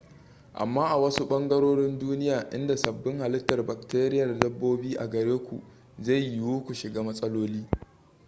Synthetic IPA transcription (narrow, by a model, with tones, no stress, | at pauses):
ʔa̰˨mːaː˦ʔa˨wɐ˦su˦ɓɐ˦ŋɡɐ˦ɾoː˦ɽɪ˦nduː˦nɪ˦jaː˨ʔɪ̰˦nda˨sɐ˨bːɪ˦ŋha˨lɪ˦tːɐ˨rba˨k̚teː˦ɾɪ˦jɐ˨rdɐ˦bːoː˦biː˦ʔa̰˨ɡɐ˨ɾeː˦kʷṵ˨ | za˦˨jːɪ˨wuː˦kʷu˨ʃɪ˨ɡaː˦mɐ˦sʼɐ˦loː˦liː˦